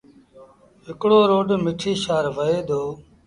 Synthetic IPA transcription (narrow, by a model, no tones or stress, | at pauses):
ɦɪkɽoːɾoːɖmɪʈʰiːʃaːɾʋəeːd̪ʱoː